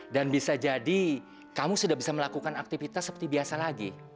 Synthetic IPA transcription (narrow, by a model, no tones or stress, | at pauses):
danbisad͡ʒadi | kamusudahbisaməlakukanak̚t̪ifit̪asːəpərt̪ibiasalaɡi